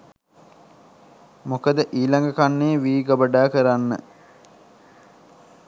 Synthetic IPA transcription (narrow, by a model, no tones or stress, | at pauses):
mokəd̪əʔiːlaŋɡəkanːeːʋiːɡabəɖaːkəɾanːə̰